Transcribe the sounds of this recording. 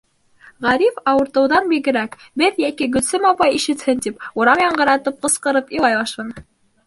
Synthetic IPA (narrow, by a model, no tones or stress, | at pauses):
ʁæɾifɑwɤ̆ɾt̪ɤ̆wðɑnbiɡɘ̆ɾæk | bɘðjækiɡɵ̆t̪sɘmɑpɑjiʃɘ̆t̪hɘnt̪ipuɾɑmjɑɴɢɤ̆ɾɑt̪ɤp̚qɤ̆sqɤ̆ɾɤpilˠɑjbɑʃɤn